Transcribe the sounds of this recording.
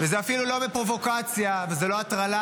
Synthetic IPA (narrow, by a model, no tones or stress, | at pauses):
vezeafilulo̞mipʁo̞vo̞kat͡sjavalzelo̞at̪ʁala